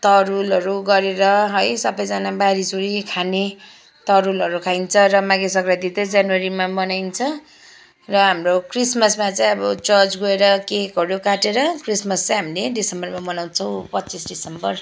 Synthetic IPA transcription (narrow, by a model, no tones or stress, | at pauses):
t̪ʌɾulʌɾuɡʌɾeɾʌɦʌjsʌbʌjd͡zanabaɾisuɾikʰane | t̪ʌɾulʌɾukʰajnt͡sʰʌrʌmaɡesʌkɾad̪it̪ʌd͡zanwaɾimamʌnajnt͡sʰʌ | rʌɦamrokrismʌsmat͡saj̃ʌbʌt͡sʌt͡sɡoeɾʌkekʌɽjokaʈeɾʌkrismʌst͡saj̃ɦamileɖisembʌrmamʌnaw̃t͡sʰʌw̃pʌtːt͡sːisɖisembʌr